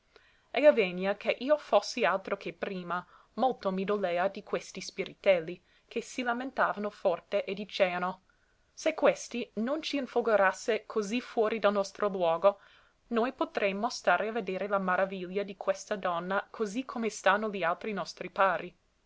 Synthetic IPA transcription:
ɛaveɲːjakʰeʔiːofosːialt̪ɾokʰepɾiːma | molt̪omid̪oleːad̪ikwest̪ispiɾit̪ɛlːi | kʰesilament̪aːvanofɔrt̪eʔed̪it͡ʃeːano | sekwest̪inont͡ʃiːnfoɡoɾasːekʰozifwɔːɾid̪alnɔst̪ɾʔolwɔːɡo | nojpot̪ɾemːost̪aːɾeaved̪eːɾelamaɾaviʎːad̪ikʰwest̪ad̪ɔnːakʰozikʰomest̪anːolialt̪ɾinɔst̪ɾipaːɾʔi

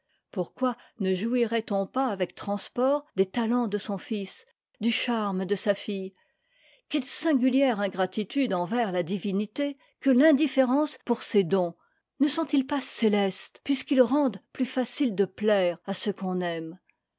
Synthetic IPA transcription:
puʁkwa | nəʒuiʁɛt̪ɔ̃paːvɛk̚t̪χɑ̃spɔːʁd̪et̪alɑ̃d̪əsɔ̃fis | d̪yʃaʁmd̪əsafij | kʲɛlsɛ̃ɡʲyljɛʁɛ̃ɡʁat̪it̪yd̪ɑ̃vɛʁlad̪ivinit̪e | kəlɛ̃d̪ifeʁɑ̃spuʁsed̪ɔ̃ | nəsɔ̃t̪ilpaselɛst̪pɥiskilʁɑ̃d̪plyfasild̪əplɛʁasəkɔ̃nɛm

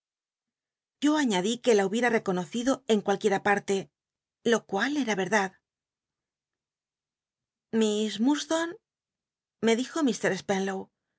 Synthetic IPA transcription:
ʝo̞aɲaðike̞lauβje̞ɾare̞ko̞no̞θiðo̞e̞ŋkwalkje̞ɾapaɾt̪e̞ | lo̞kwale̞ɾaβe̞ɾðað | mismust̪on | me̞ðixo̞mist̪e̞ɾespenlow

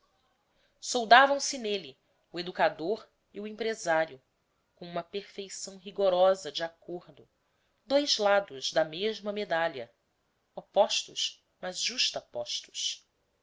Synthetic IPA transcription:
sowd̪avɐ̃w̃sɪneli | ued̪ukad̪oɾ | iuẽmpɾezaɾjʊ | kõũmɐpeɾfejsɐ̃w̃ɦiɡoɾɔzɐd͡ʒɪakoɾd̪ʊ | d̪ojzlad̪ʊzd̪ɐmeʒmɐmed̪alɐ | opɔʃt̪ʊʃ | mɐzʒuʃt̪ɐpɔʃt̪ʊ̥ʃ

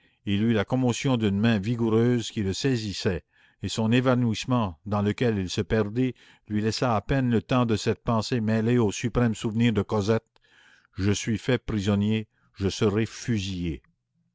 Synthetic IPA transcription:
ilylakɔmɔsjɔ̃d̪ynmɛ̃viɡuʁøːzkʲiləsɛzisɛ | esɔ̃nevanuismɑ̃d̪ɑ̃ləkʲɛlilsəpɛʁd̪i | lɥilɛsaːpɛnlət̪ɑ̃d̪əsɛt̪̚pɑ̃semɛleosypʁɛmsuvniːʁd̪əkɔzɛt̪̚ | ʒəsɥifɛpʁizɔnje | ʒəsəʁɛfyzije

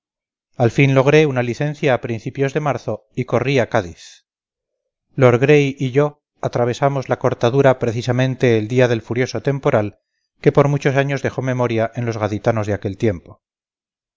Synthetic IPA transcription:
alfinlo̞ɣ̞ɾe̞unaliθe̞n̟θjaːpɾin̟θipjo̞zðe̞maɾθo̞ | iko̞riakaðiθ | loɾɣɾe̞jʔiʝo̞ | at̪ɾaβ̞e̞samo̞zlako̞ɾt̪aðuɾapɾe̞θisamẽnt̪e̞ːld̪iaðe̞lfuɾjo̞so̞t̪e̞mpo̞ɾal | ke̞po̞ɾmut͡ʃo̞saɲo̞zðe̞xo̞me̞mo̞ɾjaʔe̞nlo̞zɣaðit̪ano̞zðeake̞lt̪je̞mpo̞

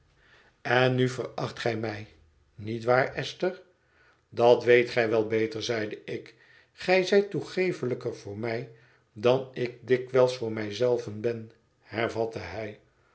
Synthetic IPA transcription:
ɛnːyvərɑχtχɛjmɛj | nitʋaːɹɛstər | dɑtʋejtχɛjʋɛlˠbejtəɹzɛjdəɪk | χɛjzɛjtuχejfələkəɹv̥ʊːɹmɛj | dɑnɪk̚dɪkʋɛlˠsfʊːɹmɛjzɛlˠvənbɛn | hɛɹvɑtəɦɛj

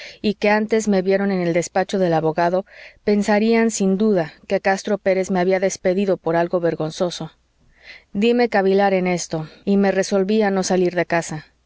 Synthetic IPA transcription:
ike̞ant̪e̞zme̞βje̞ɾo̞nene̞ld̪espat͡ʃo̞ðe̞laβo̞ɣaðo̞pe̞nsaɾiansind̪uðake̞kast̪ɾo̞pe̞ɾe̞zme̞aβiaðe̞spe̞ðiðo̞po̞ɾalɣo̞βe̞ɾɣo̞nso̞so̞ | d̪ime̞kaβilaɾe̞ne̞st̪o̞ime̞re̞so̞lβiano̞saliɾðe̞kasa

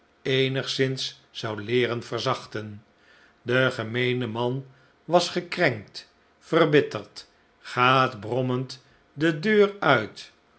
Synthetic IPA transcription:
ejnəχsɪnsː | ɑwlɪːrənvərzɑχtən | dəχəmejnəmɑn | ʋɑsχəkrɛŋk̚t | fərbɪtəɹt | χaːtbrɔmənt | dədøːrœɥt

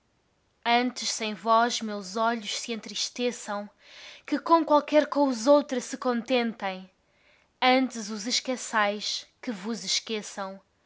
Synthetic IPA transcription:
ɐ̃nt̪ɨʃsɐ̃j̃vɔʒmewzɔʎuʃsɨẽnt̪ɾiʃt̪esɐ̃w̃ | kɨkõkwalˠkɛɾkõuzowt̪ɾɐsɨkõnt̪ẽnt̪ɐ̃j̃ | ɐ̃nt̪ɨzuzɨʃkɐsajʃkɨvuzɨʃkesɐ̃w̃

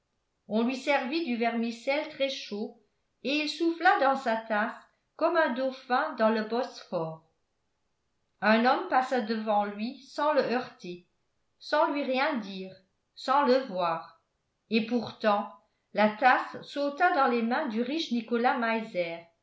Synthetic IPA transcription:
ɔ̃lɥisɛʁvid̪yvɛʁmisɛlt̪χɛʃo | eilsuflad̪ɑ̃sat̪as | kɔmɛ̃d̪ofɛ̃d̪ɑ̃ləbɔsfɔːʁ | œ̃nɔmpasad̪əvɑ̃lɥisɑ̃ləœʁt̪e | sɑ̃lɥiʁjɛ̃d̪iːʁ | sɑ̃ləvwaːʁ | epuʁt̪ɑ̃ | lat̪asːot̪ad̪ɑ̃lemɛ̃d̪yʁiʃnikɔlamajzɛːʁ

